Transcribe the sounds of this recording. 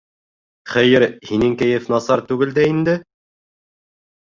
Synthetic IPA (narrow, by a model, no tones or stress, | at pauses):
χɘ̆jɘɾhinɘŋkæ̆jɘfnɑsɑɾt̪ʉɡɘ̆ld̪æind̪ɘ